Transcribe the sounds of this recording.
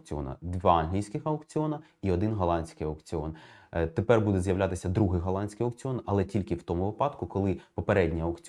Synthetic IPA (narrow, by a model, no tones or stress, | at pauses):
kt͡sʲiɔ̰nɐ̰d̪ʋɑɑnɦlʲijsʲkɪxɐʊkt͡sʲɪɔnɐ | iɔd̪ɪnɦɔlˠɑnʲsʲkɪjɐwkt͡sʲɪɔnt̪epɛrbud̪ɛzjɐwlʲat̪ɪsʲɐd̪ɾuɦɪjɦɔlˠɑnʲsʲkɪjɔk̚t͡sʲiɔnɐlˠɛtʲilʲkɪwt̪ɔmʊʋɪpɑd̪kʊkɔlˠɪpɔpeɾɛdʲnʲiɐʊkt͡sʲ